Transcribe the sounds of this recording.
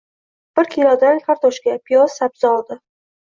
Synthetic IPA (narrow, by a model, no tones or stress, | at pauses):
b̥ɪɾkʰʲilˠɒd̪ankʰaɾt̪ʰɒʃkʲapʰijɒsːabz̥aɒlˠd̪ɪ